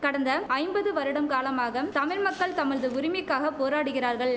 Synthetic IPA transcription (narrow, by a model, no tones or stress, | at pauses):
kɐɽɐnd̪ɐɐɪmbɐðɯʋɐɾɯɽɐmkaːlɐmaːɣɐt̪ɐmɪɾmɐkːɐɭt̪ɐmɐɻðɯʊɾɪmɪkːaːɣɐpoːɾaːɽɯɣɪɾaːɾɣɐɭ